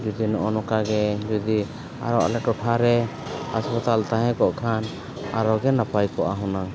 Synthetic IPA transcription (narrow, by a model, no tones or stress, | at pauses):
d͡ʒɔd̪inɔʔɔnɔkaɡɛd͡ʒɔd̪i | a̰ɾɔa̰lɛʈɔʈʰaɾɛ | haspat̪alt̪aɦɛ̃kɔʔkʰan | aɾɔɡɛnapajkɔʔaɦɔnaŋ